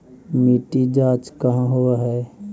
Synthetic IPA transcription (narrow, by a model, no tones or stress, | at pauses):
miːʈid͡ʒaːt͡ʃkəɦãɦoaɦɛː